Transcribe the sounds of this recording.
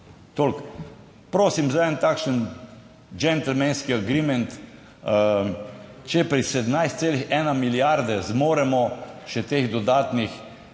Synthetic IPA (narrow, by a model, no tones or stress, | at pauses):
t̪olk | pɾoːsimzaɛnt̪aːkʃən | d͡ʒɛnt̪l̩mɛnskiaɡɾimɛnt̪ | t͡ʃɛpɾisɛd̪mnajst̪seːlixɛːnamiljaɾd̪ɛzmoːɾɛmɔʃɛt̪eːɣd̪ɔd̪aːt̪nix